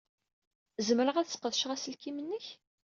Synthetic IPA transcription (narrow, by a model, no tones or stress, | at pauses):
zəməɾəʁæðsə̥qəðʃʁæsəlkimənːəç